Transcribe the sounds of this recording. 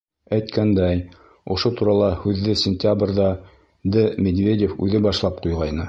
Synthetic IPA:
æjt̪kænd̪æj | ŏʃot̪uɾɑlˠɑhʉðːɘsʲɪnʲt̪ʲabrðɑ | d̪ɘmʲed̪vʲedʲefʉðɘbɑʃlˠɑp̚qujʁɑjnɤ

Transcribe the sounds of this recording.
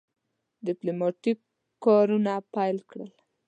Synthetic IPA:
d̪ɪplomɑʈikː | ɑɾunapajlkɽəl

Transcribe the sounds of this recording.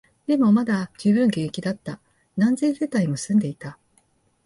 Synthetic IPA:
d̪̥e̞mo̞mad̪ad͡ʑɨːbɯ̟̃ŋɡẽ̞kʲid̪at̪ːa | nãnzeːse̞t̪aimo̞sɨ̃nd̪e̞it̪a

